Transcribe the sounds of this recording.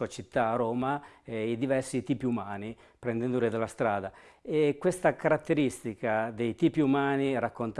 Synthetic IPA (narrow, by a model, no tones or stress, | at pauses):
uat͡ʃit̪ːaːɾoːmaɛid̪ivɛrsit̪iːpiumaːni | pɾɛnd̪ɛnd̪oɾid̪alːast̪ɾaːd̪a | ɛkːwest̪akaɾat̪ːeɾist̪ikad̪ejt̪iːpiumaːniɾakːont̪